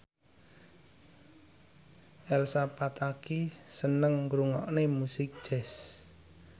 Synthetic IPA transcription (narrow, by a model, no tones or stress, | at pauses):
ʔɛlsapat̪akisənəŋɡɾuŋɔ̰ʔnemusɪk̚ʒ̥ɛs